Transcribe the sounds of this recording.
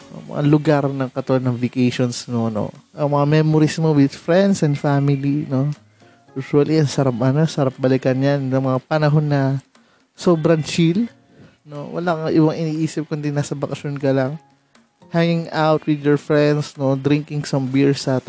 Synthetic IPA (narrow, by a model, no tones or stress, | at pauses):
ɐ̰ŋmɐ̰ŋʔa̰lʊɡaɾnɐŋkɐt̪ʊɐnɐŋvɪkejʃonsnono̰ʔɐŋmɐŋamɛmoɾismowɪd̪fɾɛnd̪sɛnd̪famɪlino̞ | juːsuɐliʔɐnsɐɾap̚ɐnosɐɾap̚bɐlɪkɐnjanjɐŋmɐŋapɐnɐɦo̞nːɐ | soːbɾɐŋt͡ʃil | no̞̰wɐ̰laŋʔɪwaŋʔɪniːʔiːsɪp̚kʊnd̪inaːsɐbɐkɐʃjonkɐlaŋ | haŋɪŋawt̪wɪd̪jɛɹfɹɛnd̪sno̞d̪ɾɪŋkɪŋsɐmbiɹsɐt̪